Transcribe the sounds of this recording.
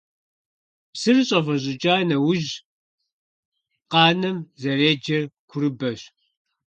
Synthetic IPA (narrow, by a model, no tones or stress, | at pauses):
psɨrɨɕʼɐfɐʑʼɪt͡ʃʼaːnɐwʊʒ | qɑːnɐmzɐreːd͡ʒɐrkʷʰʊɾɨbɐɕ